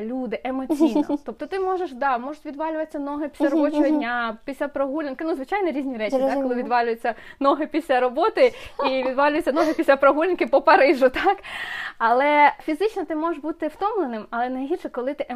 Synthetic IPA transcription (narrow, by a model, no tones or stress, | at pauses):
lʲud̪ɪʔemɔt͡sʲijnɔ̰t̪ɔp̚t̪ɔt̪ɪmɔʒeʃd̪ɑmɔʒʊtʲʋʲid̪ʋɑlʲʊʋɐsʲːɐnɔɦɪpʲisʲlʲɐɾɔbɔt͡ʃɔɦɔdʲnʲapʲisʲlʲapɾɐɦulʲɪnkɪnuzʋɪt͡ʃajnɔɾʲizʲnʲiɾɛt͡ʃʲit̪ɑkkːɔlˠɪʋʲid̪ʋɑlʲʊjet͡sʲːɐnɔɦɪpʲisʲlʲɐɾɔbɔt̪ɪiʋʲid̪ʋɑlʲʊjɪt͡sʲːɐnɔɦɪpʲisʲlʲapɾɐɦulʲɪnkɪpɔpɐɾɪʒʊt̪ɑkɐlˠɛfʲizɪt͡ʃnɔt̪ɪmɔʒeʃbut̪ɪwt̪ɔmlˠenɪmɐlˠɛnɐjɦʲirʃɛkɔlˠɪt̪ɪe